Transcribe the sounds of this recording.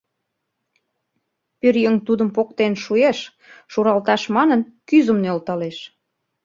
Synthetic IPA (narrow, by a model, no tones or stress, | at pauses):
pyɾjəŋt̪ud̪əmpok̚t̪enʃueʃ | ʃuɾɑlt̪ɑʃmɑnənkyzə̆mnølt̪ɑleʃ